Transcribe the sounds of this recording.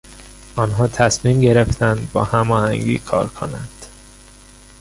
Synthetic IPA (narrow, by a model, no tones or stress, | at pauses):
ʔɒːnɦɒːt̪ʰæsmiːmɟe̞ɾe̞ft̪ʰænd̪bɒ̰ːhæmɒːhæŋɟḭːkʰɒ̰ːɾkʰo̰nænd̪̥